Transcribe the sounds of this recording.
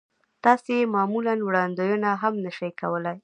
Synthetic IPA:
t̪ɑsemɑmulanwɽɑnd̪ojunaɦamnəʃajkawəlaj

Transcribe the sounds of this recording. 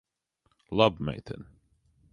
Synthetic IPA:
lʌbmḛɪtɨ̰̃n

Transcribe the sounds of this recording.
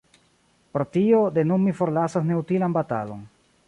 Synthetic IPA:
pɾotio̞de̞numifo̞ɾlasasne̞utilanbata̰lo̞̰n

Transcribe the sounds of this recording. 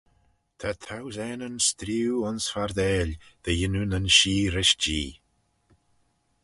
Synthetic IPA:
t̪ʰat̪ʰawzɛːnənst̪ɾiwɔnsfaɾd̪ɛːlð̥əjɪnunənʃiːɾɪʃd͡ʒiː

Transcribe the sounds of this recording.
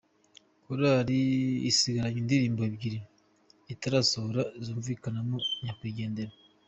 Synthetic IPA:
koɾaɾḭːsiɡaɾaɲindiɾiːmbabɟiɾi | itaɾaːsohoɾazuːɱviːkanamoɲakwiːɡe̞ːnde̞ɾa

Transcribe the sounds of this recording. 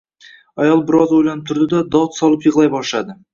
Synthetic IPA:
ɑjɑlˠbɪɾɑzwo̞jlˠɑnəp̚t̪ʰʊɾd̪əd̪ɑd̪ɑwt̪sɑlˠəpjəʁlˠɑjbɑʃɑd̪ə

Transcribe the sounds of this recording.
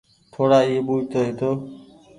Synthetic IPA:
t̪ʰoːɽaːiːeːɓuːd͡ʒt̪oːɦeːt̪ʰoː

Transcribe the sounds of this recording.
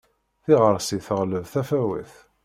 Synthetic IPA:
θiʁəɾˤsiθəʁləvθæfæwḭθ

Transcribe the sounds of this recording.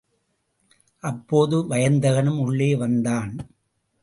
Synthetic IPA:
ʔɐpːoːðɯʋɐjɐnd̪ɐɣɐnɯmʊɭːeːʋɐnd̪aːn

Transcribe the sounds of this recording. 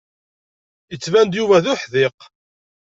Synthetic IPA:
jət͡sːvænd̪juvæðʊħðɪq

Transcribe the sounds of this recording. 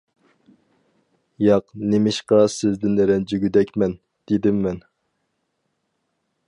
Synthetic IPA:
jɑqnemɪʃqɑsɪzd̪ɪnɾɛnd͡ʒyɡʲyd̪ɛkʲmɛn | d̪̥ed̪ɪmːɛn

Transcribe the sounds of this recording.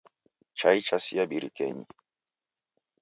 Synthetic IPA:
t͡ʃait͡ʃasiaɓiɾikɛ̰ɲi

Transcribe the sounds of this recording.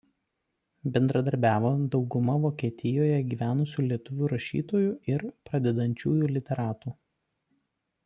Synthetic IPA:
bʲɛnd̪ɾɐd̪ɐɾʲbʲæːʋoːd̪ɒʊɡʊmɐʋoːkʲiɛt̪ʲɪjoːjɛɡʲiːʋʲæːnʊsʲuːlʲiɛt̪ʊʋʲuːɾɐʃʲḭːt̪oːjuːɪɾpɾɐd̪ʲɛd̪ɐnʲt͡ʃʲuːjuːlʲɪt̪ʲɛɾɑːt̪uː

